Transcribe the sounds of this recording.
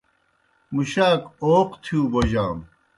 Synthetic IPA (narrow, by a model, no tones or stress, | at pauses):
muɕaːkoːqt̪ʰijũːboʑaːm